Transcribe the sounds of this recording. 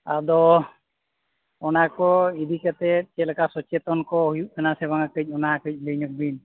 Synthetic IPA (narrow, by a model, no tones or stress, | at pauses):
a̰d̪ɔ | ɔnakɔid̪ikat̪ɛt͡ʃɛlɛkasɔt͡ʃɛt̪ɔnkɔhujuʔk̪ʰanasɛβaŋakəc̚ˀɔnakəc̚ˀləjɲɔk̚bin